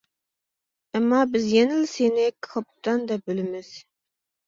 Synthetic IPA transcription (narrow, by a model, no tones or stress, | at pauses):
ɛmːɑbɪzjenɪlsenɪkʰχʰɑp̚t̪ɑnd̪ɛbølɪmɪz̥